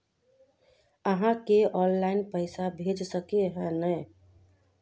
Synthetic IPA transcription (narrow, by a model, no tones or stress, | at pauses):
əɦãkeɔ̃nlaɪnpəɪsabʱed͡ʒsəkeɦɛ̃nəj